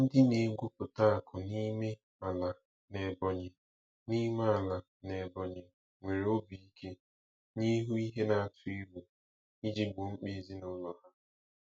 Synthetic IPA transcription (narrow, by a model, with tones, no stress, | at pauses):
n̩˦dɪ˦ne˨ɡʷu˦pʊ˨ta˦a˨kʰʊ˨ni˦me˦ | a˨la˨ | ne˨bɔ˨ɲɪ˨ | ni˦me˦a˨la˨ | ne˨bɔ˨ɲɪ˨ | ŋʷe˨ɾe˨o˦bi˨i˦kʰe˦ | ɲi˦ɦu˦i˦ɦe˦na˨a˨tʊ˨˦e˦bu˨ | i˦d͡ʒi˦ɡ͡bʊ˨ŋ͡m̩˦k͡pe˦˨zi˦nʊ˨˦lɔ˨ɦa˦